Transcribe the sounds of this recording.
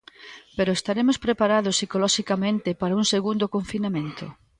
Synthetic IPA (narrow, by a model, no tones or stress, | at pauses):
peɾʊest̪aɾemospɾepaɾaðʊsːikolɔʃikamẽnt̪ɪpaɾauŋseɣund̪okoɱfinamẽnt̪ʊ̰